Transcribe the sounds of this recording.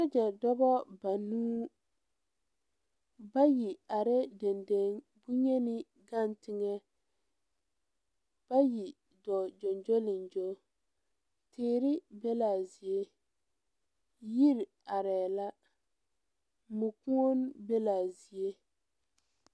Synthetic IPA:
sa˦d͡ʒɛ˨dɔ˦bɔ˦ba˨nuː˦ | ba˦ji˨a˨ɾɛ˦de˨nde˦ŋ | bu˦ɲɛ˦nɪ˦ | ɡa˦˨ntɪ˦ŋɛ˦ | b̥a˦ji˨ | dɔ˨d͡ʒo˨nd͡ʒo˦lɪ˨nd͡ʒo˦ | tʰɪː˦ɾɪ˦bɛ˦laː˨ze˦ | ji˦ɾ | a˨ɾɛː˨la˦ | mu˨ku˦o˦nbe˦laː˨zi˨e˦

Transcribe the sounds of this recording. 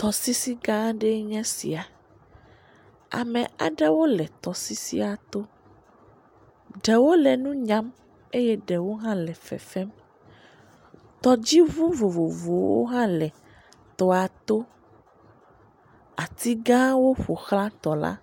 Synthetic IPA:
t̪ɔ˨si˦si˦ɡã˦ɖɛ˦ɲɛ̃˦sḭ˨a˨ | a̰˨mɛ̃˨a̰˨ɖɛ˦wo˦lɛ˨t̪ɔ˨si˦sḭ˦a˨t̪o˦ | ɖɛ˨wo˦lɛ˨nũ˦ɲã˦m | e˦jɛ˦ɖɛ˨wo˦ɦã˦lɛ˨fɛ̰˨fɛ˦m | t̪ɔ˨d͡ʑi˦vu˦vo˨vo˨vo˨wo̰˦ɦã˦lɛ˨ | t̪ɔ˦a˨t̪o˦ | a˨t̪i˦ɡã˦wo˦ɸo˨xlã˦t̪ɔ˨la̰˦

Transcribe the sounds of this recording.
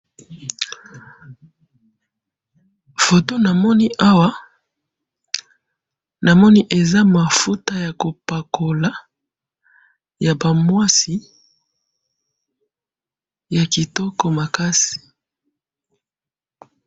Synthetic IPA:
fo˨to˦na˨mɔ˦ni˦ʔa˦wa˦ | na˨mɔ˦ni˦ʔe˨za˦ma˨fu˦ta˦ja˨ko˨pa˨ko˨la˨˦ | ja˨ba˨mwa˦si˨ | ja˨ki˨tɔ˦kɔ˦ma˨ka˦si̥˨

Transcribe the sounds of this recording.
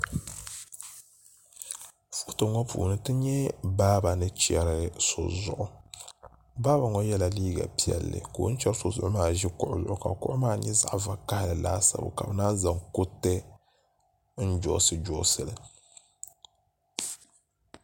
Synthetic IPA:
fu̥˦tɨ˨ŋɔ˦pṵː˨nɨ˨tɨ˦ɲɛ˦baː˦ba˨nɨ˦t͡ʃɛ˨ɾɨ˦so˨zʊ̰˨ʔʊ˨ | baː˦ba˨ŋɔ˦jɛ˦la˨liː˦ɡa̰˨pi˦ɛ̰˨lːɨ̰˨koː˨˦n̩˦t͡ʃɛ˦ɾso˨zʊ˨ʔʊ˦maː˦˨ʒi˦kʊ˦ʔʊ˦zʊ˨ʔʊ̰˨ka˨kʊ˦ʔʊ˦maː˦˨ɲɛ˦za̰˦ʔva˨ka˦hlɨ˨la̰ː˦sa̰˦bʊ̰˨ka˨bɨ˨naː˦za˨ŋku˦tɛ˦ | n̩˦d͡ʒɔ˨sɨ˨d͡ʒɔː˦sɨ˨lɨ˨

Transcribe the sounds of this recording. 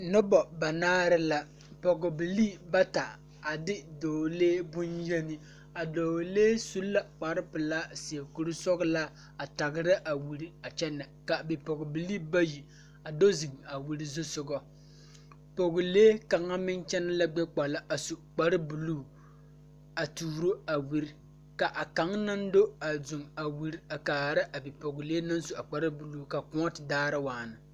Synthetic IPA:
nɔ˦bɔ˨ba˨naː˦ɾɪ˦la˨ | pɔ˨ɡɔ˨bɨ˨liː˦ba˦ta˨ | a˨dɪ˦doː˨leː˦bʊ˦njɛ˦nɪ˦ | a˨doː˨leː˦su˦lla˨k͡pa˨ɾɪ˦pɨ˨laː˦si˨ɛ˨ku˨ɾɨ˦sɔ˦ɣʊ˦la˦ | a˨ta˨ɡɪ˨ɾɪ˦ʔa˨wu˨ɾi˨a˨t͡ʃɛ˦nːɛ˨ka˨bi˨pɔ˨ɡʊ˨bɨ˨liː˦ba˦ji˨ | a˨do˦zi˨ŋa˨wu˨ɾi˦zʊ˦sʊ˨ɡɔ˦ | po˨ɡʊ˨leː˦ka˨ŋa˦mɪ˦nt͡ʃɛ˦na˦la˦ɡ͡bɛ˦k͡pa˨la˦ʔa˨su˨k͡pa˨ɾɨ˦bu˨luː˦˨ | a˨tuː˨ɾo˦a˨wi˦ɾi˦ | ka˨ʔa˨ka˨˦ŋna˦n˦do˦a˨zʊ˨ŋa˨wi˨ɾi˦a˨kaː˨ɾa˦ʔa˨bi˨po˨ɡʊ˨leː˦na˦n˦su˨a˨k͡pa˨ɾɨ˦bu˨lu˦˨ka˨kʊ˦ɔ˦tɪ˨daː˦ɾɨ˦waː˨nɨ˨

